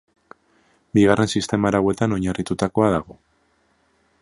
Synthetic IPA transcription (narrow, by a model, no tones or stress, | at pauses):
biɣarʔe̞nsist̪e̞maɾawe̞t̪ano̞ɲarit̪ut̪ako̞aðaɣ̞o̞